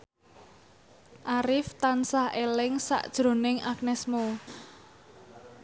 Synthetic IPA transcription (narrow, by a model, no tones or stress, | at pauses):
ʔaɾɪft̪ansahelɪŋsa̰ʔd̥ʒ̥ɾo̤nɪŋak̚nɛsmo